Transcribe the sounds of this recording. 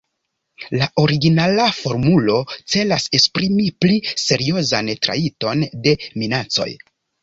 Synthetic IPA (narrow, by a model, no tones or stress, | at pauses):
laʔo̞ɾiɡinalafo̞ɾmulo̞t͡se̞lase̞kspɾimiplise̞ɾio̞zantɾa̰ito̞nde̞minat͡so̞̰j